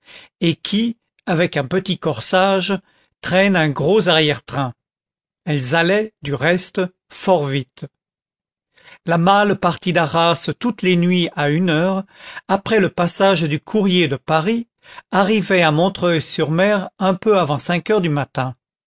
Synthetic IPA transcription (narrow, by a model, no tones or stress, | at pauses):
ekʲʰi | avɛkɛ̃pət̪ikɔʁsaʒ | t̪χɛnɛ̃ɡʁozaʁjɛʁt̪χɛ̃ | ɛlzalɛd̪yʁɛst̪ | fɔʁvit̪ | lamalpaʁt̪id̪aʁast̪ut̪lenɥiaynœʁapχɛləpasaʒd̪ykʰuʁjed̪əpaʁi | aʁivɛamɔ̃t̪χœjsyʁmɛʁɛ̃pøavɑ̃sɛ̃kœʁd̪ymat̪ɛ̃